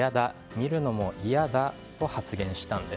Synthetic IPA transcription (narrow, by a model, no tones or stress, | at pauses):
ad̪a | mʲiɾɯ̟no̞mo̞ʔijad̪a | o̞hat͡sɨɡẽ̞ɰ̃ɕi̥t̪ãnd̪e